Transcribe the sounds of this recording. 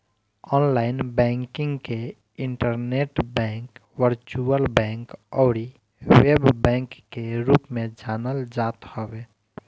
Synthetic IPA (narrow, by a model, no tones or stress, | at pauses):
ɔːnlaːɪnbɛ̃ŋkɪ̃ŋɡke | ɪɳʈəɾneʈbɛ̃ːŋk | wəɾt͡ʃuəlbɛ̃ːŋkɔːɾi | weːbbɛ̃ːŋkːeɾuːpmẽd͡ʒaːnəld͡ʒaːt̪hɔweː